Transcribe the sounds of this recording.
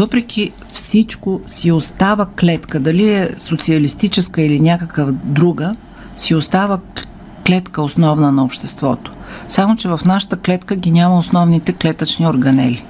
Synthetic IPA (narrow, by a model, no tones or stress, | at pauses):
vɤpɾɛk̟ʰʲi | fsit͡ʃkosiost̪avəklɛt̪kəd̪ɐliɛsot̪siəlist̪it͡ʃɛskəilinʲakəkəvd̪ɾuɡə | siost̪avə | klɛt̪kəosnɔvnənɐopʃt̪ɛst̪vɔ̰t̪o̥ | samot͡ʃɛvɐfnaʃə̥t̪əklɛt̪kəɡʲinʲaməosnɔvnit̪ɛklɛt̪ət͡ʃnioɾɡɐnɛli